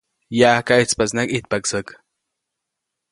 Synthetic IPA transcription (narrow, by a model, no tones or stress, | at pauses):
jaːkait͡spat͡snakit̪̚paksək